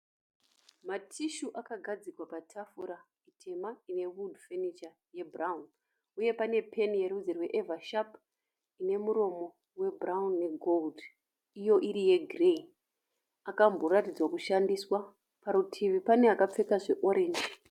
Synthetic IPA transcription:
matʰiʃuʔakaɡʱad͡zikwapatʰafuɾa | itʰe̞maine̞wudfenit͡ʃa | je̞bʱraun | uje̞pane̞pʰe̞nje̞ɾud͡zerwe̞ʔevaʃap | ine̞muɾo̞mo̞ | we̞bʱraunːe̞ɡʱo̞ld | ijo̞ʔiɾije̞ɡʱrei | akambo̞ratid͡zwakuʃandiswa | paɾutʰiʋipaneakap͡fe̞kaʐe̞ʔo̞ɾʔe̞ːnd͡ʒe

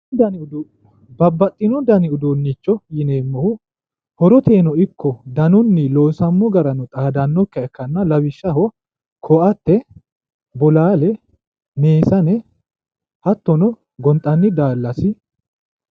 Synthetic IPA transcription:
ɐn | bɐbːɐt̪ʼːɪnɔd̪ɐnɪʊd̪onːɪt͡ʃːɔjɪneːmːɔhʊ | hɔɾɔt̪ʰeːnɔɪkʰːɔd̪ɐnʊnːɪloːsɐmːɔɡɐɾɐnɔt̪ʼaːd̪ɐnːɔkːɐɛkːɐnːɐlɐwɪʃːɐhɔ | kʰɔʔɐt̪ːɛ | bɔlaːlɛ | meːsɐnɛ | hɐt̪ːɔnɔ | ɡɔnt̪ʼːɐnːɪd̪aːlːɐsɪ

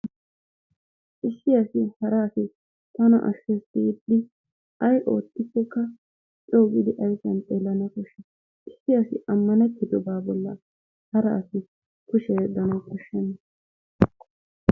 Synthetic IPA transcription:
ʔɪsːɪɐsɪhɐɾaːsɪ | t̪ɐnɐ̰ʔɐ̰ʃːɛsiːd̪ːɪ | ɐjʔo̞ːt̪ːɪkːɛkːɐ | t͡ʃʼoːɡɪd̪ɪʔɐjsɐnt͡sʼeːlːɐnɐkɔʃːɛ | ɪsːɪɐsɪ̰ʔɐmːɐnɛt̪ːɪd̪ɔbaːbɔlːɐ̰ | hɐɾɐ̰ːsɪ | kʊʃɛd̪ɐnɐwkɔʃːɛnːɐ

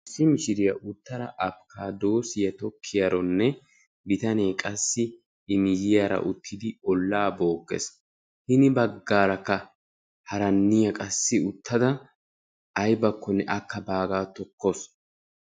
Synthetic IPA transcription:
ɪsːɪmɪʃɪɾɪjɐʔʊt̪ːɐɾɐ̰ʔɐpkʰaːd̪o̞ːsɪjɐt̪ɔkʰːɪjɐɾɔnːɛ | bɪt̪ɐneːkʼɐsːɪ | ɪnɪjɪjɐɾɐ̰ʔʊt̪ʰːɪd̪ɪɔlːaːbo̞ːɡːɛ̰s | hɪnɪbɐɡːaːɾɐkːɐ | hɐɾɐnːɪjɐkʼɐsːɪʊt̪ːɐd̪ɐ | ɐjbɐkʰːɔnɛʔɐkːɐbaːɡaːt̪ɔkːɔs

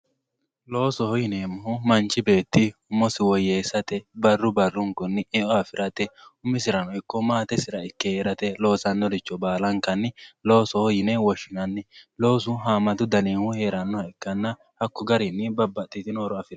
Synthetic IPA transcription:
lo̞ːsɔhɔjɪneːmːʊhʊmɐnt͡ʃɪbe̞ːt̪ːɪʊmːɔsɪwɔjːeːsɐt̪ɛbɐrːʊbɐrːʊŋkʊnːɪʔɛʔɔɐfɪɾɐt̪ɛʊmːɪsɪɾɐnɔɪkːɔmaːt̪ɛsɪɾɐɪkːɛheːɾɐt̪ɛlo̞ːsɐnːɔlɪt͡ʃːɔbaːlɐŋkɐnːɪlo̞ːsɔhɔjɪnɛwɔʃɪnɐnːɪlo̞ːsʊɦaːmɐt̪ʊd̪ɐniːhʊhe̞ːɾɐnːɔhɐɪkːɐnːɐ | hɐkːɔɡɐɾɪnːɪbɐbːɐt̪ːɪt̪ɪnoːɾɔɐfɪɾɐ

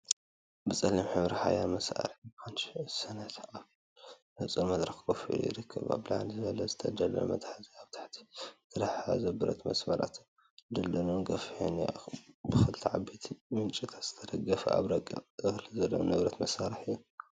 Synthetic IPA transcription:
bɨt͡sʼɐlːimħɨβɾiħa̰jamɐsa̰ɾħxanʃsɐnat̪ʔa | nɨt͡sʼunmɐd̪ɾɐxɡofḭjɪ̰ɾɨkʰːɐβa̰βlaʕalizɨβɐlɐzɨt̪ʰɐd̪ɐlɐ̰mɐt̪ħziaβt̪ʰḁħt̪ʰi̥t̪ʰɨɾaħazɐbɨɾɐ̰t̪mɐ̰smɐɾa̰t̪ʰ | d̪ɐlːɐnoɡɐfhoniabɨxɨlt̪ʰiʕabit̪ʰimɨnt͡ʃʼit̪ʰḁt̪z̥ɨ̥t̪ʰɐd̪ɐɡɐfɐ̰a̰βɾɐkʼɨxlizɐlːonɨβɾɐt̪mɐsaɾɨħɨjːu

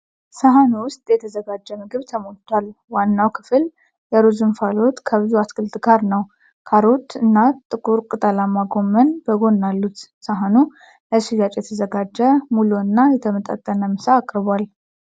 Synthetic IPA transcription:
saɦanuwʊst̪ʼjɛt̪ʰəzəɡad͡ʒːəmɨɡɨβt̪ʰəmot̪ʰʼːalwanːawkʰɨ̥fɨl | jɛɾuzɨnfalo̞t̪kʰəβɨzuaskʰɨlt̪ʼɨɡaɾnəw | kʰaɾot̪ɨnːat̪ʼːɨkʼuɾkʼɨt̪ʼalamːaɡo̞mːənbəɡo̞nːalːut̪saɦanu | əʃijat͡ʃʼjɛt̪ʰəzəɡad͡ʒːəmuluɨnːajɛt̪ʰəmət̪ʼa̰t̪ʼːənəmɨsaːkʼɾɨβal

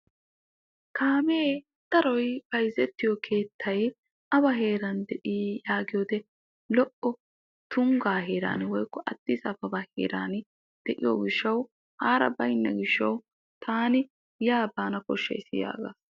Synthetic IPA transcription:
kaːmeː | d̪̥ɐɾɔjb̥ɐjzɛt̪ːɪjɔkʰe̞ːt̪ʰːɐj | ɐbɐɦe̞ːɾɐnd̪ɛʔiːjaːɡɪjoːd̪ɛ | lɔʔɔ | t̪ʊŋɡaːɦeːɾa̰ːnwɔjkːɔʔɐt̪ːɪsɐbɐbɐhḛːɾaːn | d̪̥ɛʔɪjo̰ːɡɪʃːɐw | haːɾɐ̰bɐjnːɐ̰ɡɪʃːɐw | t̪ʰaːnɪ | jaːbaːnɐkɔʃːɐ̰jɪsɪja̰ːɡa̰ːs

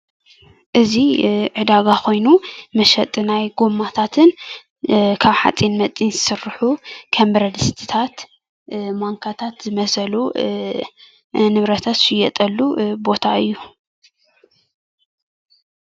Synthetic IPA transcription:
ʔɨziʕɨd̪aɡakʰo̞jnumɐʃɐt̪ʼnajɡomat̪ʰat̪ʰɨn | kʰaβħa̰t͡sʼinmɐt͡sʼinzɨsɨɾħukʰɐmbɾɐd̪ɨst̪ʰi̥t̪ʰat̪ | maŋkʰat̪ʰat̪zɨmɐsɐlu | nɨβɾɐt̪ʰat̪ʃɪjɛt̪ʼɐlːubo̞t̪ʰaɨjːu

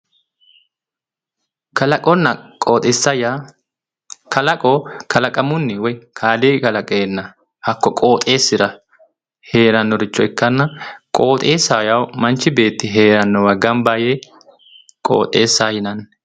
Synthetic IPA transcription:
kɐlɐkʼɔnːɐkʼoːt̪ʼesɐja | kɐlɐkʼokʰɐlɐkʼɐmʊnːɪwɔjkʰaːd̪eːkɐlɐkʼeːnːɐ | hɐkːɔkʼo̞ːt̪ʼe̞ːsːɪɾɐ | he̞ːɾɐnːɔɾɪt͡ʃːɔɪkːɐnːɐkʼo̞ːt̪ʼeːsaːjɐwmɐnt͡ʃːɪbe̞ːt̪ːɪɦe̞ːɾɐnːɔwɐɡɐmbaːjeː | kʼo̰ːt̪ʼeːsːaːjɪnɐn

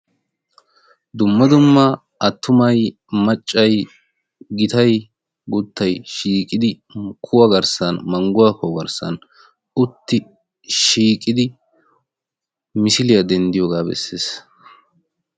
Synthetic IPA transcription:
d̪ʊmːɐd̪ʊmːɐ | ɐt̪ːʊmɐj | mɐt͡ʃʼːɐj | ɡɪt̪ɐj | ɡʊt̪ːɐjʃiːkʼɪd̪ɪ | kʰʊwɐɡɐɾsɐnmɐŋɡʊwakʊwɡɐɾsɐ̰n | ʊt̪ːɪ | ʃiːkʼɪd̪ɪ | mɪsɪlɪjɐd̪ɛnd̪ɪjoːɡaːbɛ̰sːeːs

